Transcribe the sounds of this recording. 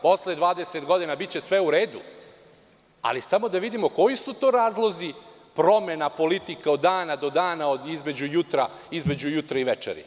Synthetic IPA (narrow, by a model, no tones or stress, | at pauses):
po̞sled̪ʋaːd̪eset̪ɡo̞d̪inabit̪̚t͡ɕe̞sʋe̞uɾeːd̪u | a̰lisamo̞d̪aʋid̪imo̞ko̞jisut̪oːɾaːzlˠo̞zi | pɾo̞me̞napo̞lit̪ikaod̪ːaːnad̪o̞d̪aːnaod̪izme̞d͡ʑujut̪ɾa | izme̞d͡ʑujut̪ɾaiʋet͡ʃḛɾḭ